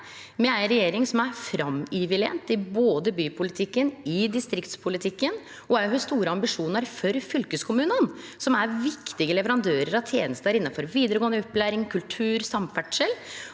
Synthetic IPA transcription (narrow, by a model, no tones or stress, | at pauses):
mɛæɪɾɛjeːɾɪŋsɔmæɾfɾɑmɪʋɪlɛ̰nt̪ɪboːd̪əbyːpʰʊlɪt̪ʰɪkːənɪd̪ɪst̪ɾɪkt̪spʰʊlɪt̪ʰɪkːən | ɔæɪɦʉst̪uːɾəɑmbɪʂuːnəɾfɔɾfʏlkəskʰʊmʉːnənsɔmæɾʋɪkt̪ɪɡəlɛʋəɾɑnd̪øːɾəɾɑʋt̪ʰjeːnəst̪əæɾɪnːɑfɔɾʋiːd̪əɾəɡoːənd̪əɔpːlæːɾɪŋkʰʉlt̪ʰʉːɾsɑmfæʈʂəl